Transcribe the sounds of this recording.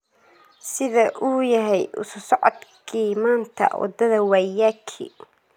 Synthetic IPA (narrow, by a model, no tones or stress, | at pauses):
sɪðɐʔuːjɐɦɛjʔʊ̰sʊsɔʕɔd̪kʰiːmaːnt̪ʰɐ̰wɑ̰d̪ɐðɐwæjakʰḭː